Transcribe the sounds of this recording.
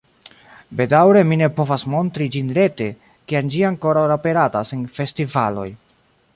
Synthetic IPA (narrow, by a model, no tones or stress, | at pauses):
be̞dawɾe̞mine̞po̞vasmo̞ntɾid͡ʒinɾe̞te̞ | kiand͡ʒiaŋko̞ɾawɾape̞ɾatasenfe̞stivalo̞̰j